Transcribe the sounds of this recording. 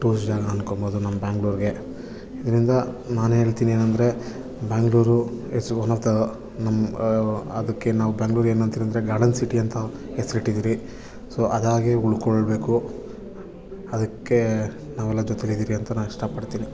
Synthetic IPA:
ʈuːsd͡ʒaːɡɐɐnkomboːd̪unɐmːɐbaːŋɡɭuːɾɡe̞ | id̪ɐɾind̪ɐ | naːnueːɭt̪iːnie̞ːnɐnd̪ɐɾe̞ | baːŋɡɭuːɾuesuonɐɾt̪ɐ | nɐmː | ɐd̪ɐkːe̞naːʋubaːŋɡɭuːɾeːnɐnt̪iɾɐnd̪ɾe̞ɡaːɾɖɐnsiʈiɐnt̪ɐ | hesːɐɾiʈːid̪iːɾi | soʔɐd̪aːɡeuɭkoɭbe̞ːku | ɐd̪ɐkːe̞ | naːʋɛlːɐd͡ʒɔt̪elid̪iːɾiɐnt̪ɐnaːniʂʈɐpɐɽt̪iːni

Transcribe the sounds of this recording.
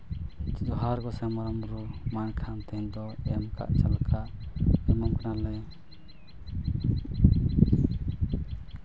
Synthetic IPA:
d͡ʒɔɦaɾɡɔsɛmɔɾɔmɾumankʰant̪ɛind̪ɔɛmka̰ʔt͡ʃalkʰaɛmɔmkʰanalɛ

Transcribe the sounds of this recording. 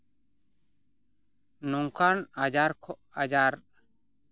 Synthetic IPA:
nɔŋkanad͡ʒaɾkʰɔʔad͡ʒaɾ

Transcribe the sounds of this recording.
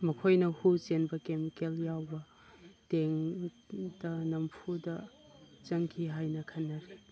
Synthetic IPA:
mɐkʰojnɐhut͡ʃenbɐkemikeljawbɐ | teŋ | dɐnɐmpʰudɐ | t͡ʃɐŋkʰiɦajnɐkʰɐnːɐɾi

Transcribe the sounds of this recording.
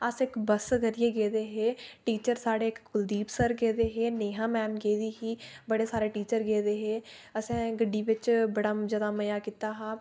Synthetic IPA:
əsɪkbəsɡəɾɪjeːɡeːd̪eːɦeːʈiːt͡ʃəɾsaːɽeːkʊld̪iːpsəɾɡeːd̪eːɦeːneːɦãːmɛːmɡeːd̪iːɦiːbəɽeːsaːɾeːʈiːt͡ʃəɾɡeːd̪eːɦeːəsɛ̃ːɡəɖːiːʋɪt͡ʃbəɽaːd͡ʒəd̪aːməjaːkit̪aːɦaː

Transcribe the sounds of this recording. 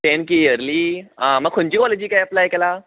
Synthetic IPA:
ʈẽnkijəɾliːãməɡ̚kʰuɳt͡ɕiːkɔled͡ʑiːkajəplajkɛla

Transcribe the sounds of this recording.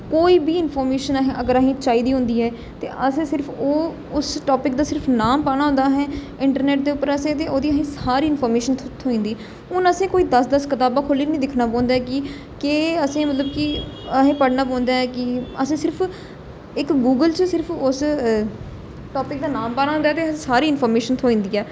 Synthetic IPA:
koːiːbiːɪnpʰoːɾmeːʃənaɦẽːʔəɡəɾaɦẽːt͡ʃaːiːd̪iːɦʊ̃nd̪iːɦɛː | t̪eːʔəsẽːsɪɾpʰoː | ʊsʈoːpɪkd̪aːsɪɾpʰnaːmpaːɽ̃aːɦʊ̃nd̪aːɦɛː | ɪɳʈəɾneːʈ̚d̪eːʊpːəɾəsẽːt̪̬eːoːd̪iːəɦẽːsaːɾiːɪnfʰoːɾmeːʃənʰt̪ʰːoːĩːnd̪iː | ʊnəsẽːkoːiːd̪əsd̪əskət̪aːbaːkʰʊliːnĩːd̪ɪkʰnaːpɔ̃ːnd̪aːɦɛkɪ | keːəsẽːmət̪ləbkɪ | əɦẽːpəɽnaːp̬ɔ̃ːnd̪aːɛːkɪəsẽːsɪɾpʰ | ɪkɡuːɡəlt͡ʃəsɪɾpʰʊs | ʈɔːpɪk̚d̪aːnaːmpaːɽãːɦʊ̃nd̪aːt̪eːəsẽːsaːɾiːɪnfʰoːɾmeːʃənt̪ʰoːĩːnd̪iːɛː

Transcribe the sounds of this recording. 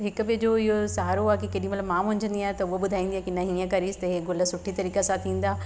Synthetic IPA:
ɦɪkʊ̆bɪd͡ʑoːɪɦosaːɾoaːkikɐɗĩmɐt̪ləbmãːmʊ̃ʊ̃ɲd͡ʑʱə̃nd̪iaːɦet̪ɐʊɦobʊd̪ʱaĩːnd̪iakinɐɦĩːə̃kɐɾiːst̪ɐɦeɡʊləsʊʈʰit̪ɐɾiːkasãt̪ʰĩːn̆d̪aː

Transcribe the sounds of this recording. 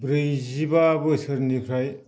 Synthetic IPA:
bɾɯjzibaːbɯsɯɾnikʰɾaj

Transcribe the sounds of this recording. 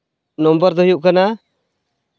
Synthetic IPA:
nɔmbɔɾd̪ɔɦijuʔkana

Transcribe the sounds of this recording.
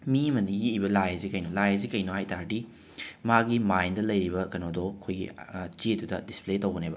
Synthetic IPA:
miɐmɐnijiibɐlajɐzikɐjnolajɐzikɐjnohajtaɾdi | maɡimajndɐlɐjɾibɐkɐnodɔkʰojɡḭt͡ʃedudɐdispletɐwɡɐnebɐ

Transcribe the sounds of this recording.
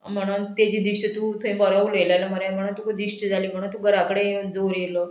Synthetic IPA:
m̤əɽ̃unt̪ed͡ʑiːd̪iʂʈət̪ut̪ʰəĩbɔɾaʋulelaləməɾjam̤əɽ̃unt̪ukud̪iʂʈəd͡zaliːm̤əɽ̃unt̪uɡəɾakəɽed͡zoɾjelɔ

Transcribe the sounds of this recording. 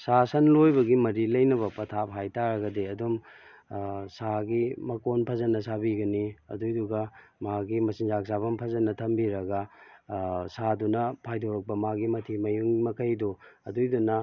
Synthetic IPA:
sasɐnlojbɐɡimɐɾilɐjnɐβɐpɐtʰapʰajtaɾɐɡɐdiɐdum | saɡimɐkonpʰɐzɐnːɐsabiɡɐniɐ̰dujduɡɐmaɡimɐsinzak̚sabɐmpʰɐzɐnːɐtʰɐmbiɾɐɡɐ | sadunɐpʰajdoɾɐk̚pɐmaɡimɐtʰimɐjuŋmɐkʰɐjduɐdujdunɐ

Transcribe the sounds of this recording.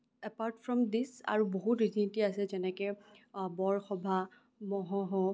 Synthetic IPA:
ɛpaɹtfɹɔmdisa̰ɹuboɦutɹitʰinitiasɛzɛnɛkɛ | bɔɹxɔbʱa | mɔɦɔɦɔ

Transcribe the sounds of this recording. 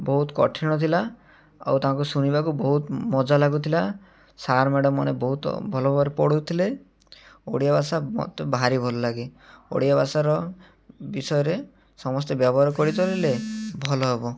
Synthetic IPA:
bɔɦut̪ɔkɔ̰ʈʰiɽ̃ɔt̪ʰila | a̰wt̪aɦãŋk̬usuñibakubɔɦut̪mɔd͡ʒalaɡut̪ʰila | saɾmeɽɔmːa̰nebɔɦut̪bʱɔlɔbbaɾepɔɽut̪ʰile | oɽijabasamɔ̰t̪ɔbʱaɾibʱɔlɔlaɡio̰ɽijabasaɾɔ | bisɔjɔɾe | sɔmɔst̪ebjɔbɔɦaɾɔkɔɽit̪ɔlilebʱɔlɔɦebɔ

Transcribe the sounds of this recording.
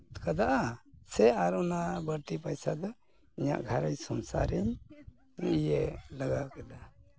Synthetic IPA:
t̪kad̪aʔasɛaɾɔnabəɾʈ̪ipajsad̪ɔ | iɲa̰ʔɡʱaɾəjsɔnsa̰ɾiɲ | iʔijɛlaɡakad̪a

